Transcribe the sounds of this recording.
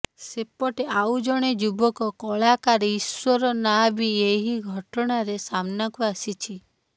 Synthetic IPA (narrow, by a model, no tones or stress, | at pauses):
sepɔʈeaud͡ʒɔɽ̃ed͡ʒubɔkɔkɔɭakaɾiiswɔɾɔnabieɦiɡʱɔʈɔɽ̃aɾesamnakuasit͡ʃʰi